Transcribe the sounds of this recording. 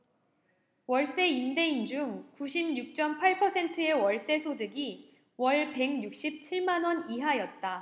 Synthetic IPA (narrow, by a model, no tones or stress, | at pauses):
wʌɭs͈e̞imde̞ind͡ʑuŋkuɕʰimɲuk̚t͡ɕ͈ʌmpʰaɭpʰʌsʰe̞ntʰɯewʌɭs͈e̞sʰodɯɡi | wʌɭpe̞ŋɲuk̚ɕ͈ip̚t͡ɕʰiɭmanwʌniɦajʌt̚t͈a